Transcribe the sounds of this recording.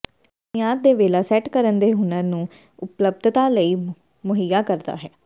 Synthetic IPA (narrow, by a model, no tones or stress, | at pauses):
ʊnɪjaːt̪̚d̪eːʋeːlaːsɛːʈkəɾənd̪eːɦʊnãːnũː | ʊpləb̚d̪ʱt̪aːləiː | mʊɦijaːkəɾd̪a̰ːɦɛː